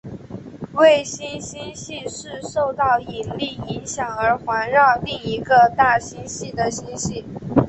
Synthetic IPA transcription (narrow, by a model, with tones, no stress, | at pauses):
we˥˩ɪɕi˥nɕi˥nɕi˥˧ʂɻ̩˥˧ʂo˥˧ʊt̪ɑ˥˩ʊi˨˩nli˥˩i˧˥ŋɕjɑ˨˩ŋə˞˧˥xwa˧˥nɻɑ˥˧ʊli˥˩ŋi˧˥ɡə˧t̪a˥˩ɕi˥nɕi˥˩d̪ə˩ɕi˥nɕi˥˩